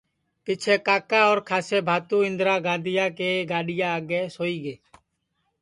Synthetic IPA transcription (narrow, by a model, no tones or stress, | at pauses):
pɪt͡ʃʰeːkaːkãːɔːɾkʰaːseːbʱaːt̪ũːɪ̃nd̪ɾaːɡãːd̪ɪjãːkeːɡaːɗɪjãːaːɡeːsoːiːɡeː